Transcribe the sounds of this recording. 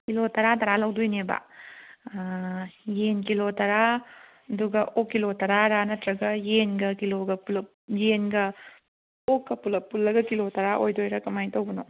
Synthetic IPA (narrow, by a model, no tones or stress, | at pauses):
kilotɐɾatɐɾalɐwdojneba̰ | jenkilotɐɾa | ɐduɡɐʔokːilotɐɾaɾanɐtɾɐɡɐjenɡɐkiloɡɐulɐ | jenɡɐ | okːɐpulɐpulːɐɡɐkilotɐɾaʔojdojɾɐkɐmajtɐwbɐno